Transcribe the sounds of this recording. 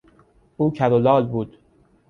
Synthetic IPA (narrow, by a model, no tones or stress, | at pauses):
ʔuːcʰæɾolɒːlbuːd̪̥